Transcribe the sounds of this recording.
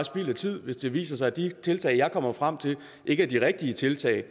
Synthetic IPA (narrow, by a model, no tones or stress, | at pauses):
sb̥ḭːlɐt͡sʰið̞̰ˠʋe̝sd̥e̝ʋḭːsɐsɑ̈ɪd̥it͡sʰe̝lt͡sʰɛ̰ːɪjɑ̈ɪkʰɒ̽m̰ɐfʁam̰t͡sʰe̝l | ʔe̝ɡ̥əæd̥iʁɛɡ̥̚d̥iət͡sʰe̝lt͡sʰɛ̰ːɪ